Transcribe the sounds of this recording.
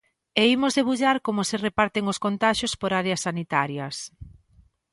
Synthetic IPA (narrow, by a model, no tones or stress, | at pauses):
eimozðeβuʎaɾkomʊserepaɾt̪eŋoskont̪aʃjospoɾaɾeɐsːanit̪aɾjɐs